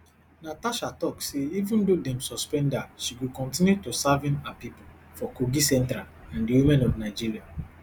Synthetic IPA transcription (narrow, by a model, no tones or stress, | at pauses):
nataʃatɔkseivũndodɛ̃msɔspɛ̃ndaʃiɡukɔ̃ntĩnjutusavĩnapipul | fɔkoɡisɛ̃ntɾalãndiwimɛ̃nɔvnaɪd͡ʒiɹia